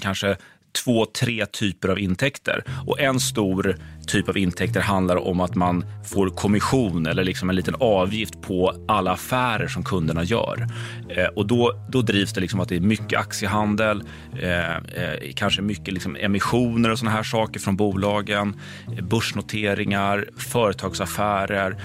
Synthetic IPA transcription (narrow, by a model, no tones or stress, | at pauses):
kʰanʂə | t̪ʰv̥oːt̪ʰɾeːt̪ʰyːpəɾavɪnt̪ʰɛkt̪ə̰ɾʔɔ̰ʔɛnst̪uːɾt̪ʰyːpavɪnt̪ʰɛk̚t̪əɾɦand̪laɾɔ̰mːat̪manfoːɾkʰɔmɪɧuːnɛlːəɭɪksɔmɛnliːt̪ənɑːvjɪft̪̚pʰɔalːaːfæːɾəʂɔmkʰɵnd̪əɳajœ̰ːɾ | ɔd̪ɔd̪ɔd̪ɾiːvsd̪ɛlɪksɔmat̪̚d̪ɛɾmʏkːəʔaksjəɦand̪əl | kʰanʂəmʏkːəlɪksɔmɛ̰mɪɧuːnəɾɔsɔnaɦæːʂɑːkəɾfɾɔnbuːlɑːɡən | bɵʂɳʊt̪ʰeːɾɪŋaɾfœːɾət̪ʰɑːɡsafæːɾəɾ